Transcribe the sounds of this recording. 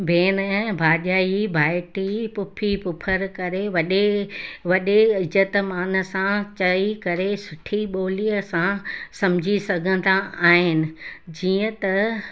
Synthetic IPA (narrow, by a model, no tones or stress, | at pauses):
bʱeːnɛ̃ːbʱaːɗaːibʱaːɪʈipʊpʰipʊpʰəɾkɐɾeʋɐɗeʋɐɗeɪd͡ʑət̪maːnə̆sãt͡ɕɐikɐɾesʊʈʰiɓoːliːəsãsɐmd͡ʑʱisɐɡʱə̃n̆d̪aaːɦɪnɪ̆d͡ʑiːə̃t̪ɐ